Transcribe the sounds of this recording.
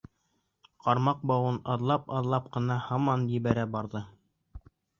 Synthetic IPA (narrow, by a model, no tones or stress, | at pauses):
qɑɾmɑq̚bɑwɤnɑðlˠɑpɑðlˠɑp̚qɤ̆nɑhɑmɑnjɘ̆βæɾæbɑɾðɤ